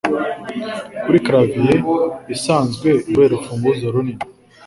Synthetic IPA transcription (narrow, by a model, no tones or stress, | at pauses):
kuɾikaɾavijeisaːnzɡwe̞uweːɾofuːmɡuzaɾuni